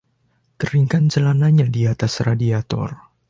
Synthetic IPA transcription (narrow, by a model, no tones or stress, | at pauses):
t̪əɾiŋkant͡ʃəlanaɲadiat̪asradiat̪ɔ̰r